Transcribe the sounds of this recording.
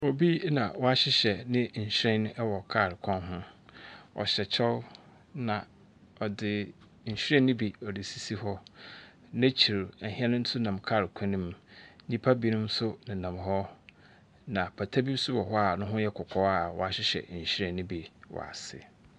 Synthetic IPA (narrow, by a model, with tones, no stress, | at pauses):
o˨bi˦nã̰˨wɔ˦a˦ɕɪ˦ɕɛ˨nɪ̃˦ɲ̩˨ɕɾɛ̃˦ñ˦ʔɛ˦wɔ˨kʰa˦˨ɾɪ˨kʷʰɔ̃˦nɦʊ̃˦ | ɔ̰˨ɕɛ˨t͡ɕʰɛ˦w | nã˨ | ɔ˨dɪ˨ | ɲ̩˨ɕᶣɛ̃˦nɪ̃˦bi˨ɔ˨dɪ˨si˨si˦hɔ˦ | næ̃˦t͡ɕʰi˨ɾɛ˨ɦĩ˦ɛ˦nʊ̃˦n̩˦sʊ˦nã˨mkʰa˦˨ɾɪ˨kʰɛ̃˦nĩ˦m˦ɲĩ˦pʰa˦bi˦nʊ̃˦m˦sʊ˦nɪ̃˨nã˨m˨ɦɔ˦ | nã˨pʰa˨tʰa˦bi˦sʊ˦bɔ˨ɦɔ˦a˨nʊ̃˦ɦʊ̃˦jɛ˦kʰʊ˨kʰɔ˦a˦˨wɔ̰˨a˨ɕɪ˦ɕɛ̰˨ɲ̩˨ɕɾɛ̃˨nɪ̃˦bi˨wɔ̰˨a̰˨sɪ̰˨